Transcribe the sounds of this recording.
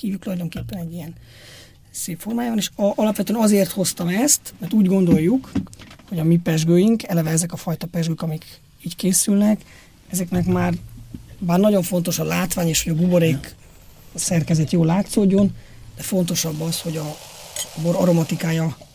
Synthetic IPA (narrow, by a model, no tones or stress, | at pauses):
kiːvykt̪ulɒjd̪o̞ŋkeːpːɛnɛɟːijɛn | seːpfo̞rmaːjaːvɒneːʃʔɒlɒpʋɛt̪øɛnɒzeːrt̪ho̞st̪ɒmɛst̪mɛrt̪uːɟɡo̞nd̪o̞jːukho̞ɟɒmipɛʒɡøːjiŋkɛlɛvɛɛzɛkɒfɒjt̪ɒpɛʒɡøːkɒmik | iːckeːsylnɛk | ɛzɛknɛkmaːrbaːrnɒɟo̞ɱfo̞n̪t̪o̞ʃɒlaːt̪ʋaːɲeːʃhoɟɒɡuboɾeːk | sɛrkɛzɛt̪joːlːaːt̪soːɟːo̞nd̪̥ɛfo̞nt̪o̞ʃɒbːɒsho̞ɟɒ | boɾɒɾo̞mɒt̪ikaːjɒ